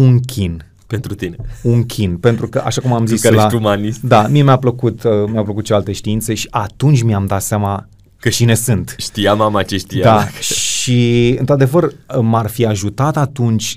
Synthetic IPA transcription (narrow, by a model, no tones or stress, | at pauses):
uŋkʲʰin | pent̪ɾut̪ineuŋkʲʰinpe̞nt̪ɾukəʔaʃakumamziiselat̪umanisd̪amie̞mjapləkut̪əmjapləkut̪̚ʃealt̪e̞ʃt̪iinseʃi̥ʔat̪unt͡ʃʲmiamd̪at̪seama | kəʃine̞sɨnt̪ʃt̪ijamamat͡ʃeʃt̪ijad̪aʃiɨnt̪ɾad̪e̞vərmarfiaʒut̪at̪at̪unt͡ʃʲ